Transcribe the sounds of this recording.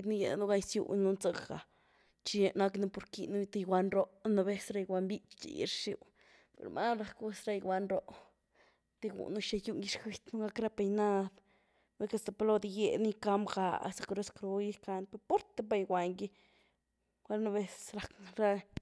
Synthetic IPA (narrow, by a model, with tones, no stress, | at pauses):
d̪ni˦je˨nu˦ɡa˧jsjṵ˧nnu˧nt͡sa˧ɡa̰˨ | t͡ʃi˧na˧knu˧po˧ɾki˧nu˦t̪i˧jɡʷa˧nɾo˦na˧be˧sɾa˧jwa˧mbi˦t͡ʃt͡ʃḭ˨jḭ˧ɾʂjṵ˧ | pḛ˨ɾmʔa̰˦ɾa˧kwe˦sɾa˧jwʷa˧nɾo˧ʔ | t̪i˧ɡṵ˨nu˦ʃa˧ju˧ni˧˦ʂxi˧t̪nu˦ɡa˦kɾa˦pe˧jna˦d̪ | ne˦ka˧st̪a˨plo˦˧d̪i˧je˨ni˦ka˧mɡa̰˧sa˧kɾe˦skɾo˧ji˦ka˧npe˧ɾpo˦ɾt̪e˦ba˧jɡʷwa˧ŋɡi˦ | ɡʷa˦lna˧be˧sɾa˨kɾa˦